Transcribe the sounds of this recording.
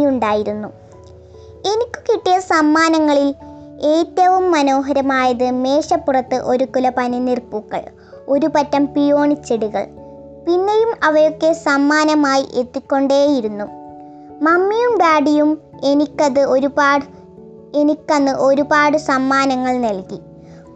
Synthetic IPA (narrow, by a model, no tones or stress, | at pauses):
juɳɖaːjiɾunːu | e̞nikʲːu̥kiʈːijɐsɐmːaːnɐŋːɐɭile̞ːtːɐʋumːɐno̞ːɦɐɾɐmaːjɐðɨme̞ːɕɐpːurɐt̪ːɨʔo̞ɾukulɐpɐninirpuːkːɐ̰ɭ | o̞ɾupɐtːɐmpijo̞ːɳit͡ɕːeɽuɣɐ̰ɭ | pinːejumɐʋɐjo̞kːe̞sɐmːaːnɐmaːjiʔe̞t̪ːikʲːo̞ɳɖeːjiɾunːu | mɐmːijumbaːɽijum | enikʲːɐðɨo̞ɾubaː | e̞nikʲːɐnːɨʔo̞ɾubaːɽɨsɐmːaːnɐŋːɐɭnɐlki